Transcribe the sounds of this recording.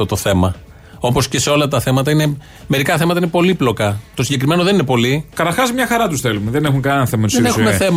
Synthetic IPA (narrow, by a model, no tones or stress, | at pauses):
ot̪oθe̞mɐ | o̞po̞sce̞se̞o̞lɐt̪ɐθe̞mɐt̪ɐine̞ | me̞ɾikɐθe̞mɐt̪ɐinepo̞liplo̞kɐt̪osiɲɟe̞kɾime̞no̞ðe̞ninepo̞likɐt̪ɐɾxɐzmɲɐxɐɾɐt̪usθelumeðenexuŋkɐnnɐθemɐt̪usenexummeθem